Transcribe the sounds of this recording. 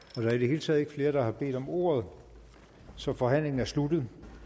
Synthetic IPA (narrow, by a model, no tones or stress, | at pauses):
ɒ̽ɾ̥ɑ̈ɐideɦe̝ːlət͡sʰɛ̰ðˠeɡ̥fle̝ːɐɾ̥ɑ̈hɑ̈b̥e̝̰ːd̥ɒ̽mo̝̰ːɐð̞ˠ | sɒ̽fɒ̽ɦæn̰le̝ŋn̩æɐslud̥ð̩ˠ